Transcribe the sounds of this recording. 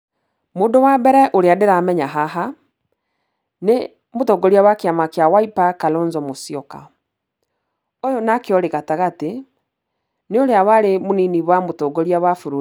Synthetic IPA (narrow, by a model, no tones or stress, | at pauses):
moːndowabɛɾɛʔoɾeadeɾamɛɲaɦaɦa | ne | motɔɡɔɾiawakeamakeawaipakalɔnzɔmosijɔka̰ | ojonakeɔɾeɣataɣate | neoɾeawaɾemoniniβwamotɔːɡɔɾiawafoɾo